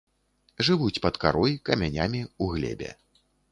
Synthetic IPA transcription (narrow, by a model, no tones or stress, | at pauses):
ʐɨvut͡sʲpɐt̪kaɾɔjkɐmʲanʲamʲiuɣlʲɛ̰bʲɛ̰